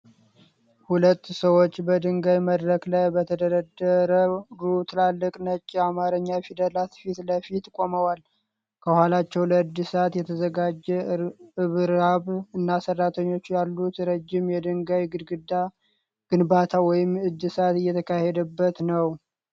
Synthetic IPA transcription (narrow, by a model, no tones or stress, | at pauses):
hulət̪ːsəwo̞t͡ʃːbəd̪ɨŋɡajməd̪ɾəklajbət̪ʰəd̪əɾəd̪əɾəɡɾut̪ʰɨlalːɨkʼnət͡ʃʼːamaɾəɲːafid̪əlat̪fit̪ləfit̪kʼo̞məwal | kʰəhalat͡ʃːɛwləɨd̪ːɨsat̪jɛt̪ʰəzəɡad͡ʒːɛɨβɾaβɨnːasərːat̪ʰəɲːo̞t͡ʃːjalːut̪ɾəd͡ʒːɪmjɛd̪ɨŋɡajɡɨd̪ɡɨd̪a | ɡ̥ɨnbat̪ʰawɔjɪmɨd̪ːɨsat̪ɨjːɛt̪ʰəkʰahɛd̪əbːət̪nəw